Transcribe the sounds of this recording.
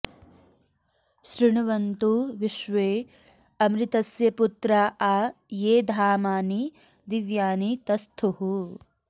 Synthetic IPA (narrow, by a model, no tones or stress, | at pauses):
ʃɾiɳuʋɐnt̪uʋiʃʋeː | ɐmɾit̪ɐsjɐput̪ɾaːʔaːjeːd̪ʱaːmaːni | d̪iʋjaːnit̪ɐst̪ʰuɦu